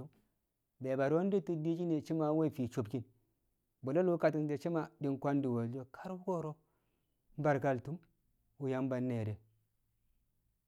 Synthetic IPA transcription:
u˦m | be˨ba˨ɾo˦di˦ti˦di˦t͡ʃi˦ne˨t͡ʃi˦ma˦we˦i˨fi˨t͡ʃo˨bki˦n | bo˨lo˦lu˦ka˨ti˦nde˨t͡ʃi˦ma˦di˦ŋkʷa˦ndi˨wo˨ld͡ʒo˦kʰḁ˦ɾu˦ko˦ɾo˦ | m˦ba˨ɾɡa˦ltu˦m | u˨ja˦mba˨nːe˨ɾe˨

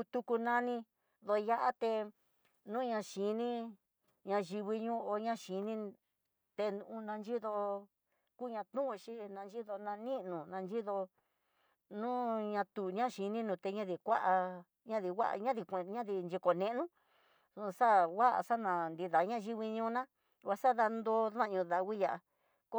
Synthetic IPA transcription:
u˧t̪u˧ku˧nã˦˧nĩ˧ | ðo˧ja˦ʔa˦t̪e˧ | nũ˦ɲã˧ʃi˨˦nĩ˦ | ɲã˧ʒi˧βi˧ɲũ˦o˧ɲã˦ʃi˨˦nĩ˦˧ | t̪e˧nũ˧ũ˧nã˧nd͡ʒi˦ðo˧ | ku˦˧ɲã˧t̪ũ˦ʔʃi˦nã˧nd͡ʒi˦ðo˧nã˧nĩ˦ʔnũ˨nã˧nd͡ʒi˦ðo˧ | nũ˦ɲã˧t̪u˨ɲã˦ʃi˧nĩ˦nũ˨˧t̪e˧ɲã˧ði˨kʷa˦ʔa˧ | ɲã˦ði˧wa̰˦ʔɲã˦ði˧kʷe˧ɲã˦ði˧nd͡ʒi˧ko˨nẽ˧ʔnũ˦ | su˧sa˦wa˦ʔa̰˧˨sa˦nã˨˧nd̪i˧ða˨ɲã˦ʒi˧βi˧ɲũː˦˧nã˦ | wa˧sa˦ða˧nd̪o˧˦ðã˦˨ɲũ˧ða˧wi˦ja˧ʔa˧ | ko˦

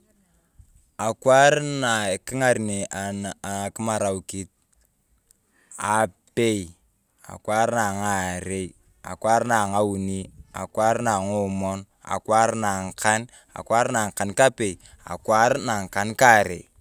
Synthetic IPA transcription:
a˨kwa˦ɾna˨ki˦ŋa˨ɾi˨ne˨a˨n˨a˨ki˦ma˨ɾa˨u˨ki˦t̚ | a˨pe˦j | a̰˨kwa˦ɾna˨ŋa˨ɾe˦i | a̰˨kwa˦ɾna˨ŋa˦u˨ni˦a̰˨kwa˦ɾna˨ŋu˦mɔ˦n | a̰˨kwa˦ɾna˨ŋ˨ka˦n | a̰˨kwa˦ɾna˨ŋ˨ka˨nka˦pe˨i˨ | a̰˨kwa˦ɾna˨ŋ̩˨ka˨nka˦˨ɾḛ˨

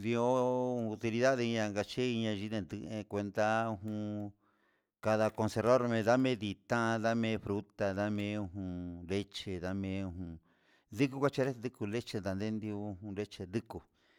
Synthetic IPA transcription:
d̪i˧o˦˧u˧t̪i˧li˧ða˦ðe˧i˧ɲã˧ŋɡa˧t͡ʃe˦i˧ɲã˧ʒi˧˦ðẽ˧d̪ɨ˧ẽ˧kʷe˧nd̪a˦u˧ɦũ˧ | ka˧ða˧ko˧se˧ɾo˦ɾmẽ˧ða˦mẽ˦ði˧t̪ã˦˧ða˦mẽ˧˦fɾu˦t̪a˧ða˦mẽ˧˦u˧ɦũ˧le˦t͡ʃe˧ða˦mẽ˧˦˧u˧ɦũ˧ | d̪i˦ku˦kʷa˦t͡ʃe˧ɾe˦˧d̪i˦ku˧le˦t͡ʃe˧d̪a˨nd̪e˦nd̪i˧u˧˦ɦũ˧ɾe˦t͡ʃe˧d̪i˦ku˧

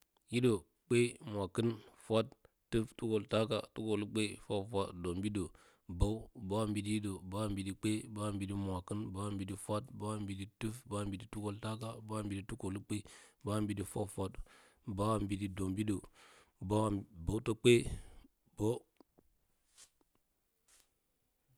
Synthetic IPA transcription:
ji˦do˨ | k͡pe˦mʷ˨a˨kə˦nfʷa˦tː | ɨ˦ftu˦ko˨lta˦ka̰˨tu˦ko˨lu˦k͡pe˦fʷa˦fʷa˦tdo˨mbi˦do˨ | ba˦u˦ba˦wa˦mbi˨di˦ji˦do˨ba˦wa˦˨mbi˨di˦k͡pe˦ba˦a˦˨mbi˨di˦mʷa˨kə˦nba˨˦a˦mbi˨di˦fa˦tba˦a˦mbi˨di˦tɨ˦fba˦mbi˨di˦tu˦ko˨lta˦k̬a˨ba˦a˦mbi˨di˦tu˦ko˨lu˦k͡pe˦ba˦mbi˨di˦fa̰˦fʷa˦t | ba˦wa˦˨mbi˨di˦do˨mbi˦do˨ | ba˦wba˨wto˦k͡pe˦ | b̥o˦

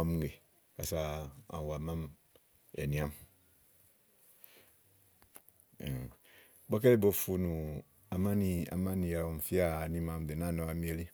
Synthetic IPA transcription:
a˨˦m˦ŋ˦ɡe˨ | ka˨sa˦ã̰˨wa˨ma˦m | ɛ̰˨nĩ˨a˦m˨ | ba˦k̬e˦le˦bo˨fu˦nu˨ | a˨ma˦ni˨˦a̰˨ma˦ni˨ja˨o˨m˨fi˦a˦˨nĩ˦mã˨m˨de˨na˦˨nɔ˨˦a˨˦mi˦e˦li˦

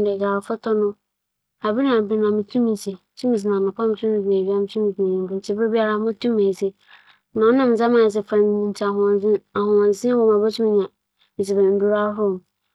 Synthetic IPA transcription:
dɛ˨ɡa˨ɾfɔ˦tʰɔ˦nʊ̃˦ | a˨bi˦nã˨bi˨˦nã˨mɪ̃˨tʰũ˦mĩ˨si˨tʰũ˦mĩ˨s̬ɪ˨nã˨nʊ̃˨kʰa˦m˦tʰũ˦ĩ˨bi˨e˨bi˦a˦mɪ̃˨˦tʰũ˦mĩ˨tʰu˨ĩ˨nĩ˨ɡʊ˨t͡ʃʰɪ˦be˦bi˦a˦ɾa˦mʊ̃˦tʰũ˦mã˨se˦ | nã˨ɔ˦nã˦˨m̩˨˦d͡za˦mã˨s̬ɪ˨fã˨m˨ĩ˨n˦tʰi˦a˨ɦʊ̃˨ã˨zɪ̃˦a˨hʊ̃˨ã˨zɪ̃˦wɔ˨ma˨ba˦tʰũ˦mĩ˨ɲã˨ | mɪ˨s̬i˨bã˨m̩˨bi˦ɾa˦ɦʊ˦˨m

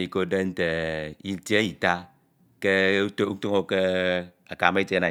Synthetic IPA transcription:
i˨ko˦˨de˦n̩˦te˨i˦ti˦e˦i˨ta˦ | ke˦u˦to˦u˦to˦ŋo˦ke˦ | a˨ka˨me˦i˦tna˨

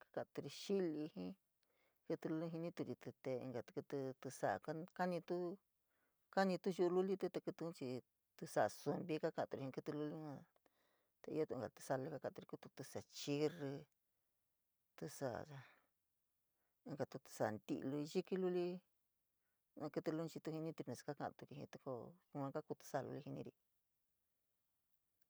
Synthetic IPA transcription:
kḁ˦kã˧ʔt̪u˧ɾi˧ʃi˦li˧hĩ˦ | kɨ˧t̪u˧lu˧˦li˧ɦĩ˧nĩ˦t̪u˧ɾi˧t̪ɨ˧t̪e˧ḭ˧ŋɡa˨t̪ku˧t̪u˧t̪ɨ˧sa˧˨˧ka˦ka˦nĩ˧t̪u˦ | ka˦nĩ˧t̪u˦ʒu˧lu˦li˦t̪e˧t̪a˧ku˧t̪ũ˧˦t͡ʃi˧ | t̪u˧sa˧˨˧su˧mbi˧˦ka˦kã˧t̪u˧ɾi˧ĩ˧kɨ˦˧t̪u˧lu˧li˦hã˧ | t̪a˧ḭ˧jo˦t̪u˧˨˧ɡa̰˨t̪ɨ̥˧sa˧lɨ˧˦ka˧˦kã˧˨t̪u˧i˧ku˧t̪u˧t̪ɨ˧sa˨t͡ʃi˦ri˧ | t̪ɨ˧sa̰˧ʔa˧ | ɡa˧t̪u˧t̪ɨ̥˧sa˧nd̪ḭ˧ʔlu˧i˧ʒi˦ki˧˦lu˦li˦ | ã˧kɨ˧t̪ɨ˧lu˧˦n˧t͡ʃi˧t̪u˧hĩ˧nĩ˦t̪u˧nẽ˨si̥˧ka˦kã˧ʔt̪u˧ki˧hḭ̃˧t̪u˧ko˧ã˧ka˦ku˧t̪u̥˧sa˧lṵ˧li˧hi˧nḭ̃˧ɾi˧

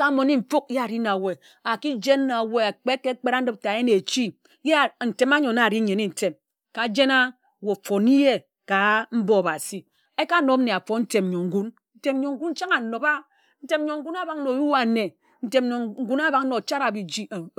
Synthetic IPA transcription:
ka˨˦mo˨ni˦ɱ̩˨fu˦k̚a˨ɾi˦na˨we˨ | a˨ki˦d͡ʒe˦n˦na˨we˦a˨k͡pe˦ke˦k͡pe˦ɾa˦n̩˦dɨ˦p̚ta˨e˦ne˨t͡ʃi˦ | je˦˨n̩˨te˨ma˦ɲo˨na˨ɾi˦ɲe˨ni˦˨n̩˨te˨m | ka˨˦d͡ʒe˦na˦˨ | wo˨fo˨ni˦je˦ | ka˨m̩˦bo˦a˨ba˨si˨ | e˦ka˦no˦m̩˦ne˨a˨fo˨n̩˦te˨m˨ɲo˨ŋ̩˦ɡu˦n | n̩˦te˨m˦ɲo˨ŋ̩˦ɡu˦n̩˦t͡ʃa˦ŋa˨no˨ba˦ | n̩˦te˨m˦ɲo˨ŋ̩˦ɡu˦na˦ba˨ŋ˦no˨ju˦a˨ne˨ | n̩˦te˨mɲo˨ŋ̩˦ɡu˦na˦ba˨kn̩˦no˨t͡ʃa˦ɾa˨bi˨d͡ʒi˦˨

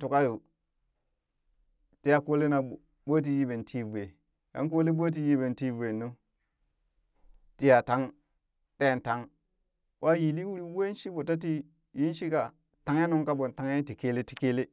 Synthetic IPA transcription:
tu˨ka˦jo˨ | ti˦ja˨ko˦le˦na˨ | bo˦t̬i˦ji˦be˨ntʰi˦vu˨e˨ | ka̰˦nk̬o˦le˦bo˦t̬i˦ji˦be˨nti˦ve˨nːo˦ | ti˦ja˨ta˦ŋ | te˦˨n˨ta˦ŋ | wʔa˦ji˨li˦wu˦ɾi˦we˦ʃi˦bo˨ta˦t̬i˦ | ji˦nʃi˦ka˨ | ta˨ŋe˦no˦ŋka˦bo˨n˨ta˨ŋe˦ti˨ke˦le˦ti̥˦ke˦le˦

